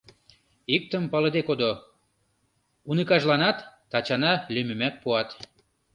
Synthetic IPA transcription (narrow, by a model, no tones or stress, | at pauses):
ik̚t̪əmpɑlɤ̆d̪ekod̪o | unəkɑʒlɑnɑt̪ː | ɑt͡ɕɑnɑlømymæk̚puɑt̪